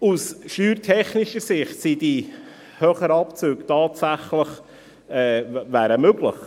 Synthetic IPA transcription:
usʃyːɾtʰɛχnɪʃəɾsɪχtsid̥i | høχəɾɑpt͡søːktɑːtsæχləχ | ɛːvæːɾəmøɡlə̰χ

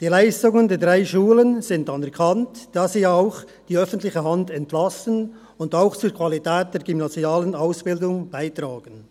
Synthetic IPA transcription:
d̥iːlaɪstʊŋəndeːɐdʁaɪʃuːlənz̥ɪntanɛɾkʰantd̥aːziːaʊx | d̥iːœfən̩tlɪçəɦandɛntlasən | ʊndaʊxt͡suːɾkʰv̥alitɛːt̚d̥eːɐɹɡymnaziaːlənaʊsb̥ɪldʊŋb̥aɪtraːɡ̥ən

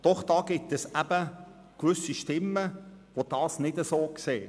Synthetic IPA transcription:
d̥ɔχd̥ɑːɡ̥ɪtɛsæb̥ə | kʋʏsiʃtɪmːəʋod̥ɑːsnɪdəsoːkseː

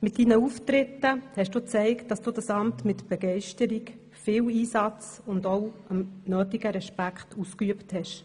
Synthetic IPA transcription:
mɪtdinəuftɾɪtːəhɛʃd̥uːt͡sɛɪkt̚d̥ɑsd̥uːdɑsɑmtmɪtb̥ɛɡɛɪʃtəɾik | fɪːwiːsɑt͡s | ʊndɔʊəmnøːtiɡəɾɛʃpækχtuskyəpthɛʃ

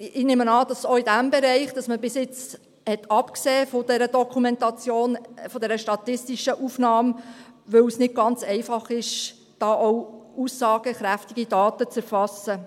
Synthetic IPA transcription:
ɪneːmənɑːd̥ɑsoidæmbɛɾɛɪχd̥ɑsməbɪsɪt͡s | hɛtʰɑpkseːfodɛɾədɔkʰumɛntɑt͡sjoːnfɔdɛɾəʃtɑt̪ɪstiʃəʔufnɑːmʋɵwsnɪd̥̚ɡ̥ɑnt͡sɛɪfɑχɪʃ | d̥ɑːʔowusːɑːɡ̥əχɾæftiɡ̥id̥ɑːtət͡sɛɾfɑsə

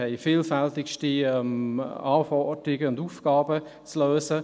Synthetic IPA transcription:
ɛɪfiːlfɛltɪkʃtiɛmaːfɔdɾɪɡəʊnduːfɡ̥aːbə | t͡sløːsə

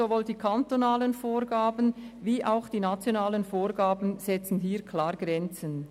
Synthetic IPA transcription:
ovoːldiːkʰantonaːlənfoːʁɡaːbənviːʔaʊxd̥iːnat͡sjonaːlənfoːʁɡaːbən̩z̥ɛt͡sn̩ɦiːkʰlaːʁɡ̥ʁɛnt͡sən

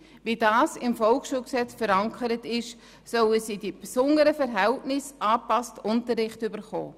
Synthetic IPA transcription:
vidɑːsɪmfɔlkʃuːlksɛt͡sfəɾɑŋkʰəɾətɪʃ | sœləsidipsʊndəɾəfɛɾɦɛltnɪsɑːpɑstʊntəɾːɪχtybəɾχo̰ː

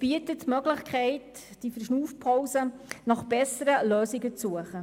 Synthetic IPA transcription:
b̥iətətmœɡlɪχkʰɛɪt | d̥ifəɾʃnuːfpʰɔwsənɑχb̥ɛsəɾəløːsiɡət͡sːuəχə

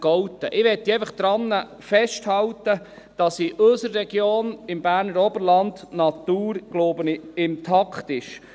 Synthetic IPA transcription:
ɡ̥ɔwtːəʔɪʋɛtːiɛɪfəχd̥̪ɾɑnːə | fɛʃthɑwtə | d̥ɑsɪʔɵsəɾːɛɡjoːnɪmbæːɾnəɾɔbəɾlɑndnɑt̪uːɾɡ̥loːbəniɪmtʰɑkχtɪʃ

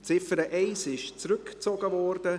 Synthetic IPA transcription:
t͡sɪfəɾəʔɛɪsɪʃt͡sɾʏkt͡sɔɡəvɔrdə

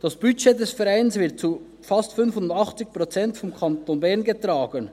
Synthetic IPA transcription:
d̥ɑsb̥yt͡ʃedɛsfɛʁaɪnsv̥ɪt̚t͡su | fɑstfʏnfʊndɑχt͡sɪç̚pʁ̥ot͡sɛntfɔmkʰɑntonbɛʁnɡətʁ̥aːɡən

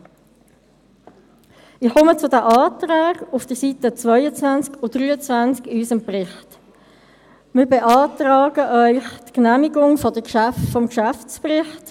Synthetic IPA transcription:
ɪχɔmət͡sʊdæʔɑːt̪ʁaːɡ̥ʊfd̥əɾsitət͡svœʏət͡svant͡skʊd̥ɾyːət͡svænskɪysəmprɪχt | mɪːɾbeʔɑːtʁɑːɡ̥əʔœʏχtknæːmiɡʊŋfɔd̥əkʃæftfɔmkʃæft͡sprɪχt

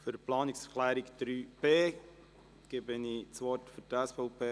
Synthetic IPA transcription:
føɾplɑːnɪksχlæːɾikd̪̥ɾyːb̥eː | ɡ̥ebənit͡sʋɔɾtfyɾtɛsfɔʊpʰeː

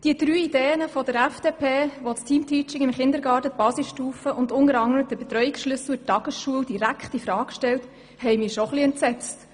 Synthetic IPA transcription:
d̥iəd̪̥ɾyːideːənəfɔd̥əɾæfd̥eːpʰeːʋostʰiːmtʰiːt͡ʃɪŋɪmχɪnd̪əɾɡɑːtəb̥ɑːsisʃtuːfəʔʊndʊnəɾɑŋəɾədəbet̪ɾœʏiksʃlʏsl̩tːɑɡ̥əsʃuəwd̥iɾækχtifɾɑːkʃtɛlt | hɛɪmɪːʃɔχliɛntsɛt͡st

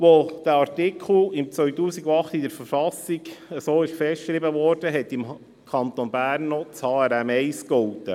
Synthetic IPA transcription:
ʋod̥æɑɾtɪkʰl̩ɪmt͡sʋœɥtuːsiɡoɑχt̪idəɾfəɾfɑsiɡəsoːɪʃfɛstʃɾibəʋɔːɾd̥əɦɛt̪ːɪm | kʰɑnt̪ɔnbæːɾnːɔt͡shɑːæɾɛmɛɪskɔwt̪ə

